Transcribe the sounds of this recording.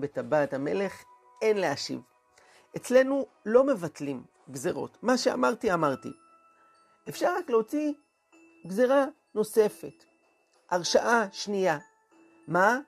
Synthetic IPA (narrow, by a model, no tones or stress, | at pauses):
betabaːtame̞le̞χ | e̞nleaʃḭv | et͡sle̞nu | lo̞me̞vatlim | ɡzeʁo̰tmaʃea̰maʁtiamaʁtḭ | efʃaʁʁakleot͡si | ɡzeʁa | no̞se̞fe̞t | ʔaʁʃaʔaʃnija | ma